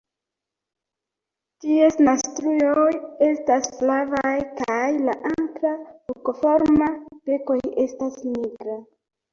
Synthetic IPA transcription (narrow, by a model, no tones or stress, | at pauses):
tiesnastɾujo̞je̞stasflavajkajlaʔaŋkɾaokofo̞ɾmape̞ko̞je̞stasniɡɾa